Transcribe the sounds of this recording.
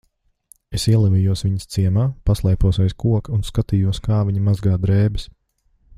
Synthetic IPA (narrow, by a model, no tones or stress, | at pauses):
esiɛlˠɛvʲiːjuɔsʋʲiɲst̪siɛmaːpaslˠɛjpuɔsɛjskuɔkunskat̪iːjuɔskaːviɲimazɡaːd̪ɾɛːbɪs